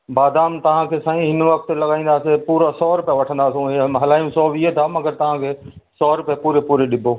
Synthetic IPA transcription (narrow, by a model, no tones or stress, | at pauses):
baːd̪ʱaːmt̪ɐʋ̤ãkʰeːsãːĩɦɪnʋɐk̚t̪lɐɡaːĩːnd̪aːsepuːɾasɔːɾʊpjaʋɐʈʰə̃nd̪aːsũɦɐlaːjũsɔːʋiːɦet̪ʰaːmɐɡəɾt̪ɐʋ̤ãkʰeː | sɔːɾʊppuːɾepuːɾeɗɪbʱoː